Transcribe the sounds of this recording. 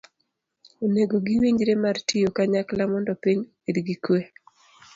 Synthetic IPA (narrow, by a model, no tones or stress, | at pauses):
oneɡoɡiwiɲd͡ʒɾemartijokaɲaklamɔndɔpiɲ | ed̪ɡikwe